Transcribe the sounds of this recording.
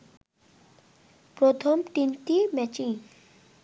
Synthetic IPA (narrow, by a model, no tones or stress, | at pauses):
pɾot̪ʰomʈint̪imɛt͡ɕiŋ